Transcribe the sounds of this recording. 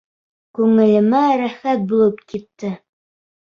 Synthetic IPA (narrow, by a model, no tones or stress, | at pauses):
kʉŋɘ̆lɘ̆mæɾæχæt̪̚bulˠɤpkit̪ːɘ